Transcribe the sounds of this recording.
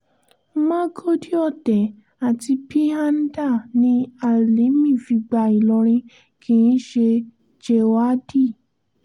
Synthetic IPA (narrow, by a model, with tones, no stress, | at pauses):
mã˦ɡo˦di˦ɔ˦˨tɛ˨ | a˨ti˧pi˦a˦n̩˦da˦˨nĩ˧a˦˨li˨˦mĩ˦˨fi˧ɡ͡ba˨i˨lɔ˧ɾ̃ĩ˧ | kʰĩ˧ĩ˦ʃe˧ | d͡ʒe˧wa˦di˦˨